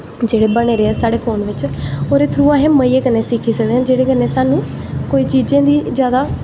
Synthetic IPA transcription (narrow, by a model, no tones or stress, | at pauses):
d͡ʒeːɽeːbəɽeːɾeːɛːsaːɽeːpʰoːnʋɪt͡ʃoːɾeːt̪ʰɾuːãːɦɛːməiːeːkənːeːsɪkʰiːsəkd̪eːɦãːd͡ʒeːɽeːkənːeːsaːnũː | koːiːt͡ʃiːd͡ʒẽːd̪iːzjaːd̪aː